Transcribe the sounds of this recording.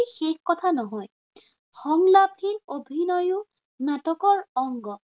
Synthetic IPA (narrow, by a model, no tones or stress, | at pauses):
xexkɔt̪ʰanɔɦɔj | xɔŋlapʰinobʱinɔjʊ | natɔkɔɹɔŋɡɔ